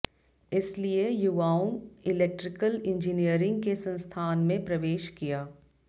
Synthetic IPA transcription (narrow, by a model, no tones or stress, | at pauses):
ɪsliejʊʋaːʊ̃ŋɡɪlek̚ʈɾɪkəlɪ̃ɲd͡ʒiniəɾɪ̃ŋɡkesɐ̃nst̪ʰaːnmẽpɾɐʋeːʃkijaː